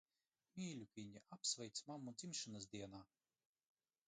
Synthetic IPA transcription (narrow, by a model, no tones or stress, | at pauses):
mʲiːlʲukʲvʲiɲʲiʔapsvɛjt̪smamud̪zimʃɨnaz̬d̪ʲiɛnaː